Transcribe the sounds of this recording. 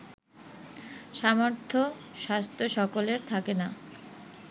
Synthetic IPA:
ʃamoɾt̪ʰːoʃast̪ʰoʃɔkoleɾt̪ʰakena

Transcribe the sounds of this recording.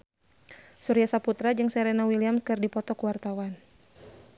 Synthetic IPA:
suɾiasaput̪ɾad͡ʒɨŋsɛɾenawiliamskɨrdipɔt̪ɔkuwart̪awan

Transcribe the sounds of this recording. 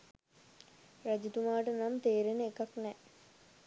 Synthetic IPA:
rad͡ʒit̪umaːʈənamt̪eːɾenəekaknɛ

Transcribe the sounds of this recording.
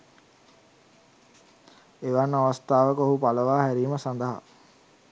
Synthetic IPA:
eʋanːəaʋəst̪aːʋəkəoɦupaləʋaːɦæɾiːməsand̪əɦa̰

